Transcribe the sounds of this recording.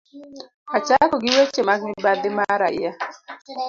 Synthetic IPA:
at͡ʃakɔɡɪwet͡ʃemaknɪbad̪ɪmaɾa̰ja

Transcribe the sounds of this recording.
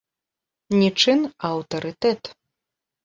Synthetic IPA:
nʲit͡ʂɨnɐwt̪ɐɾɨt̪ɛt̪

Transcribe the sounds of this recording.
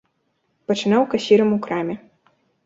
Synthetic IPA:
pɐt͡ʂɨnawkɐsʲiɾɐmukɾamʲɛ

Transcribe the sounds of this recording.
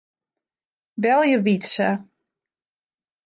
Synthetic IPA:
bɛlˠjəʋitsə

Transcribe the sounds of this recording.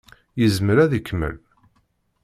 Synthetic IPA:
jəzməɾæðikːmə̰l

